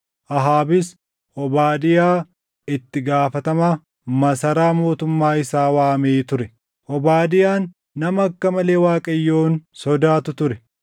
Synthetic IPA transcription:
ʔɐɦaːbɪs | ʔɔbaːd̪ɪjaː | ɪt̪ːɪɡaːfɐt̪ɐmaː | mɐsɐɾaːmo̞ːt̪ʊmːaːɪsaːwaːmeːt̪ʊɾɛ | ʔɔbaːd̪ɪjaːnː | ɐmɐɐkːɐmɐle̞ːwaːkʼɐjːoːnsɔd̪aːt̪ʊt̪ʊɾɛ

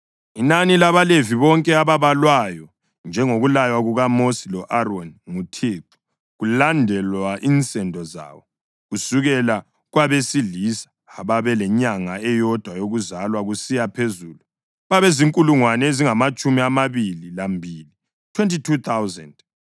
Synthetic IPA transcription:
inanilaβaleviβɔŋkʼɛaβaβalwajɔ | nd͡ʒʱɛŋoɣulajwaɣuɣamosilɔʔarɔnŋutʰeǁu̥ | ɣulandʱɛlwaʔint͡sʼɛndʱɔza̰βɔ | ɣusuɣɛla | ɣwaβesilisḁːβaβɛlɛɲaŋaɛjɔd̥ʱwajoɣuzalwaɣusijapʰezuːlu | βaβeziŋkʼuluŋwanɛeziŋamat͡ʃʼumiamaβililambʱiːli | tʰwentitʰut̪ʰawzɛ̰nd

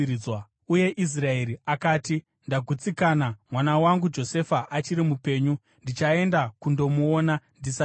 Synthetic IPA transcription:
wa | uje̞ʔis̬rae̞ɾiakaːti | ndaɡʱut͡sikaːnamwanawaŋɡud͡ʒo̞se̞faʔat͡ʃiɾimupe̞ːɲu | ndit͡ʃae̞ndakundo̞muoːnandisa

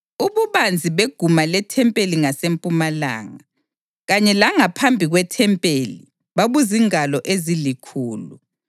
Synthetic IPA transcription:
uβuβand͡zʱiβeɡ̥ʱumalɛtʰɛmpʼeliŋasempʼumala̰ːŋa | ɣaɲɛlaŋapʰambʱiɣwɛtʰɛmpʼeli | βaβuziŋalɔʔezilikʰuːlṵ

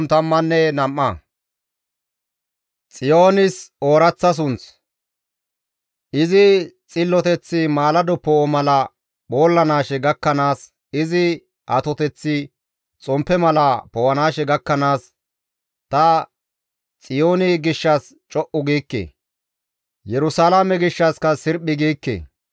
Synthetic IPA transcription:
nt̪ɐmːɐnːɛnɐmːɐ | t͡sʼɪjo̞ːnɪsoːɾɐt͡sːɐs̬ʊns | ʔɪzɪt͡sʼɪlːɔt̪ɛt͡sːɪmaːlɐd̪ɔpːɔmɐlɐ | boːlːɐnaːʃɛɡɐkːɐnaːs | ɪzɪ | ʔɐt̪ɔt̪ɛt͡sːɪ | t͡sʼɔmpːɛmɐlɐpɔwɐnaːʃɛɡɐkːɐnaːs | t̪ɐ | t͡sʼɪjoːnɪɡɪʃːɐs | t͡ʃʼɔʔʊɡiːkːḛː | jɛɾʊsaːlamɛɡɪʃːɐskɐsɪɾpːɪɡiːkːḛ

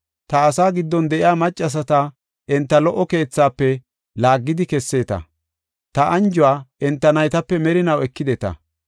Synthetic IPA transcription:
t̪ɐːsaːɡɪd̪ːɔnd̪ɛʔɪjaːmɐt͡ʃʼːɐs̬ɐt̪ɐ | ɛnt̪ːɐlɔʔɔke̞ːt͡sːaːpːɛ | laːɡːɪd̪ɪkɛsːeːt̪ɐ̰ | t̪ɐʔɐnd͡ʒʊwaːʔɛnt̪ːɐnɐjt̪ɐpːɛmɛɾɪnɐwɛkːɪd̪ɛt̪ɐ̰

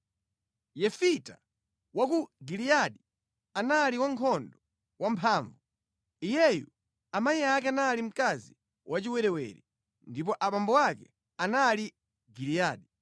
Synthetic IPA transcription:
jɛfita | wak̬uɡilijaɗi | anaːliwaŋkʰɔndɔ | wampʰaːɱvu | ijɛjṵ | amajiakɛanaːlim̩kazi | wʔat͡ʃiwɛɾɛwɛ̰ɾi | ndip̬ɔʔaɓambɔwakɛ | anali | ɡilijaːɗi

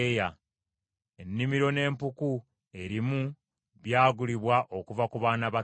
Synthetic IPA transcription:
ja | e̞nːimiɾo̞ne̞ːmpuku | e̞ɾimu | βjaːɡuliβwaʔo̞kuvakuβaːnaβa

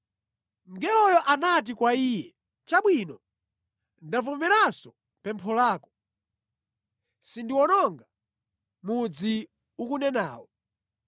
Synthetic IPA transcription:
ŋɡɛlɔjɔʔanat̬ikwaiːjɛ | t͡ʃaɓwinɔ | ndavumɛɾasɔ | pɛmpʰɔlaːkɔ̥ | sindiwɔnɔŋɡa | mud͡zi | ukunɛna̰ːwɔ

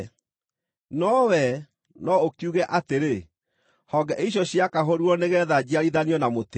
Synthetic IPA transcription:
nɔwɛ | nɔokjuɣɛʔateɾe | hɔɡɛʔeiɕ̬ɔɕjakaɦoɾuɔneɣɛːðad͡ʑiaɾiðaniɔnamot

